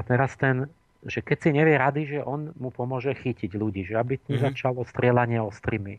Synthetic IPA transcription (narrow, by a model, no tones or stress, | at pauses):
at̪ɛɾast̪ɛn | ʒɛkɛcsiɲɛʋɪɛɾad̪iʒɛʔɔnmupɔmʊɔʒɛxiciɟluɟiːʒɛabit̪ɲɛzat͡ʃalɔst̪ɾɪɛlaɲɪɛɔst̪ɾimi